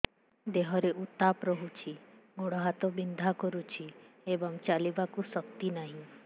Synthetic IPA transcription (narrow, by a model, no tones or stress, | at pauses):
d̪eɦɔɾeʔut̪apɾɔɦut͡ʃʰiɡoɽɔɦat̪ɔbind̪ʱakɔɾut͡ʃʰi | ebɔŋt͡ʃalibakusɔk̚t̪inaɦĩ